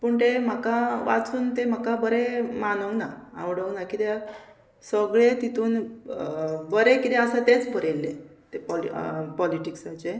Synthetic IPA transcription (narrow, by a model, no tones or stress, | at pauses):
pəɳt̪em̤akaʋa̰t͡suːnt̪em̤akabəɾemanəwnaa̰wɽəʋnakit̪e | səɡɭet̪it̪uːn | bəɾekit̪ɛ̃asãt̪et͡sbəɾelːet̪epɔpɔliʈiksat͡ɕe